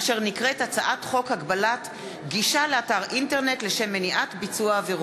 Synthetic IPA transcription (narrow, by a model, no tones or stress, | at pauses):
ʃe̞ʁnikʁetat͡saʔatχo̞khaɡbalat | ɡiʃaleataʁʔinte̞ʁne̞tle̞ʃe̞mːeniʔatbit͡suaveʁ